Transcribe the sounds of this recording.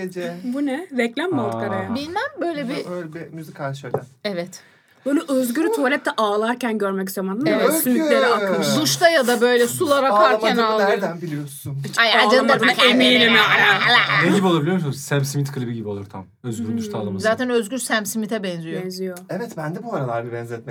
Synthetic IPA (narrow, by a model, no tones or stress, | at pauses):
ed͡ʒɛbunɛvɛclʲæmmalˠt̪kaɾajabilʲmænbøjlʲɛbiøjlʲɛbimyzikʰaʃølʲæɛvɛt̪ | bøjlʲɛʔøzɟyɾyt̪ʰolʲɛp̚t̪ʰɛʔaːlˠaɾcænɟøɾmɛc̬zamand̪ansymilʲeɾɛaɯd̪uʃt̪ʰajad̪abø̞jlʲɛsulˠaɾakaɾkænallˠd̪ænbilʲijosunajaaaemiːnimiajaleɟibiolˠabilʲijomsunzsæmsimit̪kʰɯlʲˠibiɟibio̞lˠuɾt̪ʰa | øzyɾd̪uʃt̪ʰalˠɯmzaːt̪ʰænøzɡʲyɾsæmsimit̪ʰɛbɛnzijjoɛnzijoɛvɛt̪bænd̪ɛbuaɾalˠaɾbibɛnzɛt̪̚mɛ